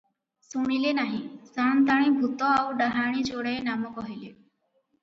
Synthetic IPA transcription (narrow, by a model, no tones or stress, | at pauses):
suɽ̃ileːnaːɦĩːsaːnt̪aːɽ̃ĩːbʱut̪ɔ̃ːaʋɖaɦaːɽ̃ĩːt͡ʃoːɽəenaːmõkɔɦileː